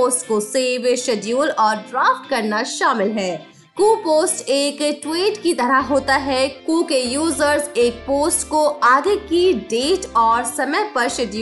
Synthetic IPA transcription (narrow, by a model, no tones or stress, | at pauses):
oːsʈkoseːʋʃɛɖjuːlɔːɾɖɾaːfʈkɐɾnaʃaːmɪlɦɛː | kuːpoːsʈeːkʈweːʈkit̪ɐɾəɦɦoːt̪aɦɛkuːkejuːzəɾzeːk̚poːsʈkoaːɡekiɖeːʈɔːɾsɐmɛpɐɾʃɛɖjuː